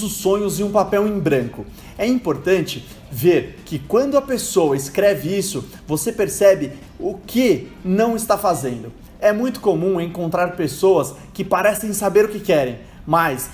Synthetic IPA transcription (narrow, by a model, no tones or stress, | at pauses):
ʊsːõɲʊzɪũpapɛwẽj̃bɾɐ̃ŋkʊ | ɛĩpoɾt̪ɐ̃nt͡ʃɪ | veɾkɪkwɐ̃nd̪ʊɐpesowɐɪskɾɛvɪisʊ | vosepeɾsɛbɪ | ʊkʰɪnɐ̃w̃ɪst̪afazẽnd̪ʊ | ɛmũj̃t̪ʊ̥komũẽŋkõnt̪ɾaɾpesowɐs | kɪpaɾɛsẽj̃sabeɾʊkɪkɛɾẽj̃ | mas